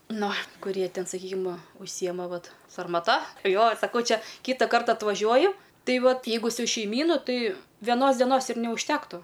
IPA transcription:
ˈnʊ kʊˈrʲiɛ ˈtʲɛn sɐˈkʲiːkʲɪm ʊʃʲˈsʲiːjɛmɐ ˈʋɐt sɐrmɐˈtɐ ˈjoː sɐˈkɐʊ ˈt͡ʃʲɛ ˈkʲiːtɐ ˈkɐrtɐ ɐtʋɐˈʒʲuɔjʊ ˈtɐɪ ˈʋɐt ˈjɛɪɡʊ sʊ ʃʲɛɪˈmʲiːnʊ ˈtɐɪ ʋʲɛˈnoːs dʲɛˈnoːs ɪr nʲɛʊʃʲˈtʲæːktʊ

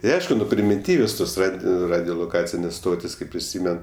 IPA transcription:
tʲɪ ˈɐɪʃkʊ ˈnʊ pʲrʲɪmʲɪˈtʲiːʋʲoːs ˈtoːs ˈrɐt ˈrɑːdʲoːlˠoːˌkɑːt͡sʲɪnʲeːs ˈstoːtʲɪs kɐɪp pʲrʲɪˈsʲiːmʲɛn

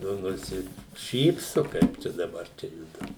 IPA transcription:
ˈnʊ nʊsʲɪˈʃʲiːpsʊ ˈkɐɪp t͡ʃʲɛ dɐˈbɐr ˈt͡ʃʲɛ ˈjʊdʊ

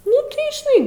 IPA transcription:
ˈnʊ tɐɪ ʒʲɪˈnɐɪ

